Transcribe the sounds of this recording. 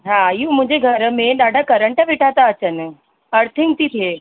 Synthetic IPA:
ɦãjũmũd͡ʑʱeɡʱəɾmẽdaɖʱakəɾəɳʈəʋeʈʰat̪aət͡ɕən | əɾt̪ʰiŋ̚t̪it̪ʰe

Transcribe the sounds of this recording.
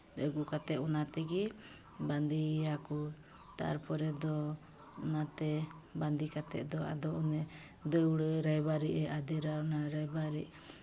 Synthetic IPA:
dəɡukat̪ɛʔɔnat̪ɛɡi | band̪iaku | t̪a̰ɾpʰɔɾɛd̪ɔ | ɔnat̪ɛ | band̪ikat̪ɛ̰ʔd̪ɔa̰d̪ɔunɛ | d̪əwɽəɾaɛbaɾiʔɛʔad̪ɛɾanaɾaɛbaɾiʔ

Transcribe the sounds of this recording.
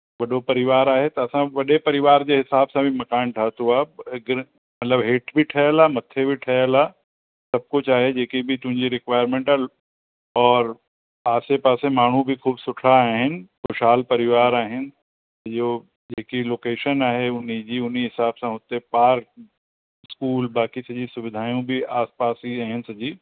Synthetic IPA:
bɐɗopɐɾɪʋaːɾaːɦet̪ɐsãʋɐɗepɐɾɪʋaːɾd͡ʒeɦɪsaːbsãbʱimɐkaːnʈʰaːt̪ɦuaɡɾ | mɐt̪ləbɦeːʈbʱiʈʰɛːlamɐt̪ʰːebʱiʈʰɛːla | sɐb̚kʊt͡ʃʰaːɦed͡ʒeːkibʱit̪ʊ̃ɪ̃ɲd͡ʒiɾɪkʋaːjəɾmẽːɳʈa | ɔːɾ | aːsepaːsẽmaːɳ̤ũbʱikʰuːbsʊʈʰaːɦɪnxʊʃaːlpɐɾɪʋaːɾaːɦɪn | sɐd͡ʒo | d͡ʒeːkiloːkeːʃənaːɦeʊnid͡ʒiʊniɦɪsaːbsãɦoːt̪epaːɾk̚ | skuːlbaːkisɐd͡ʒisʊʋɪd̪ʱaːjõbʱiaːspaːsiaːɦɪnsɐd͡ʒiː

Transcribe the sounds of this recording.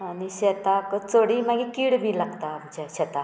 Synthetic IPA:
añiɕɛt̪akət͡soɽimaɡikiɽmiːlaɡt̪amit͡ɕaɕɛt̪a

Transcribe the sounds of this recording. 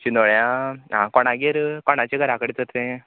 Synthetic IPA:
t͡ɕind̪oɭjãã̰koɽ̃ãɡeɾkoɽ̃at͡ɕeɡəɾakəɽit͡səɾt̪ẽ

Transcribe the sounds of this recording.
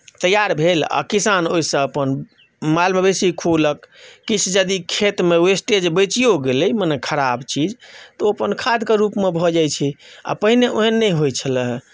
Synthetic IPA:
t̪əjaɾbʱela̰kisanoisə̃əpən | malmebesikʰoləkːit͡ʃʰd͡ʒəd̪ikʰet̪meesʈed͡ʒbət͡ʃijoɡeləjmənɛkʰəɾabt͡ʃid͡ʒt̪ɔəpənkʰad̪keɾupmebʱɔd͡ʒajt͡ʃʰia̰pəɦineʔoɦɛnːəjɦojt͡ʃʰələɦ

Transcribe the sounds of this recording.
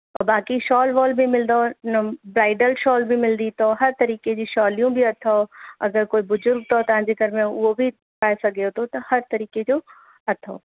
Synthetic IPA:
ɔbaːkiʃɔːlʋɔːlbʱimɪld̪onɐbɾaːɪɖəlʃɔːlbʱimɪld̪it̪oɦɐɾt̪ɐɾiːked͡ʑiʃɔːlijũbʱiɐt̪ʰaɐ̰ɡəɾkoːibʊzʊɾɡ̚t̪ot̪ɐãːd͡ʑeɡɐɾmẽʊobʱi | paːesɐɡeot̪ʰot̪ɐhɐɾt̪ɐɾiːked͡ʑoː | ɐt̪ʰo̰ː

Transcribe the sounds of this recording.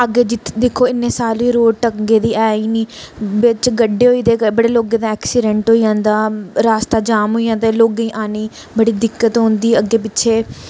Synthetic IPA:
əɡeːd͡ʒɪt̪d̪ekʰːoːɪnːeːsaːlʋiːɾoːʈəɡeːd̪iːɛːiːniːʋɪt͡ʃɡəɖːeːɦoːiːd̪eːbəɽeːloːɡeːd̪aːɛːksiːɖɛ̃ɳʈɦoːiːjãːnd̪aːɾaːst̪aːd͡ʒaːmɦoːijãːeːloːɡeiːʔaːniː | bəɽiːd̪ɪkːət̪ɦõːnd̪iːəɡeːpɪtːʃʰeː

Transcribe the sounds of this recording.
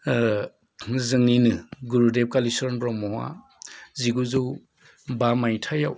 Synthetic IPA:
zɯŋninɯɡuɾudep̚kalisɔɾnbɾɔmɔwa̰ | ziɡuzuw | bamajtʰajaw

